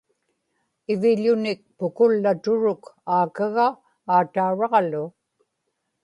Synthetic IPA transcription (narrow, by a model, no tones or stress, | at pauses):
ɪvɪʎʊnɪk̚pʊkʊlːat̪ʊɻʊkaːkaɣaː | t̪auɻɑʁlʊ